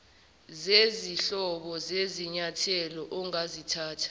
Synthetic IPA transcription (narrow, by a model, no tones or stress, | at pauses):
zeziɬɔɓɔzeziɲatʰɛlɔʔɔŋazitʰaːtʰḁ